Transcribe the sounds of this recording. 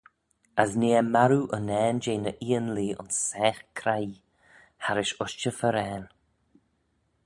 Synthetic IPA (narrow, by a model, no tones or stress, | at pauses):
əzneːəmaɾuʔənɛːnd͡ʒeːnəʔiːənliːʊ̰nsːɛːxkʰɾaj | haɾɪʃʊʃt͡ʃəfəɾɛːn